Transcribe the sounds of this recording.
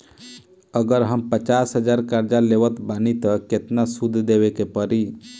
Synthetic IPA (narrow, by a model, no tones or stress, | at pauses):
əɡəɾɦəmpət͡ʃaːsɦəd͡ʒaɾkaɾd͡ʒaleʋət̪banit̪əket̪nasud̪ʱːd̪eʋekepəɾi